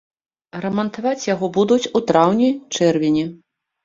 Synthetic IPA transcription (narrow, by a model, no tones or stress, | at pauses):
ɾɐmɐnt̪avat͡sʲjaɣɔbud̪ut͡sʲut̪ɾawnʲijt͡ʂɛrvʲinʲɛ